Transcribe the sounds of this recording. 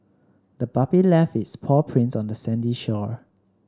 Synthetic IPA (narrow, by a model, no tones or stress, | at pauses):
dəbapilɛfɪtspʰɔpʰɹĩnsɔ̃ndəsɛ̃ndiʃɔɹ